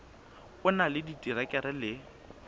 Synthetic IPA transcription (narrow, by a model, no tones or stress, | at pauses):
ʊnalɪditʼiɾakʼɛɾɛlɪ